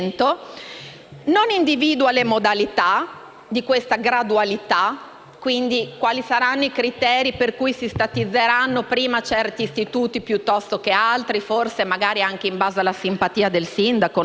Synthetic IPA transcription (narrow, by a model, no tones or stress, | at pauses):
nt̪o | nonind̪iviːd̪ualemod̪alit̪a | d̪ikwest̪aɡɾad̪ualit̪a | kːwind̪ikwaːlisaɾanːoikɾit̪ɛːɾiperkuːjsist̪at̪id̪zːeɾanːopɾiːmat͡ʃɛrt̪iːst̪it̪uːt̪ipjut̪ːɔst̪okealt̪ɾiforsemaɡaːɾiaŋk̟eimbaːzalasimpat̪iːad̪elsind̪ako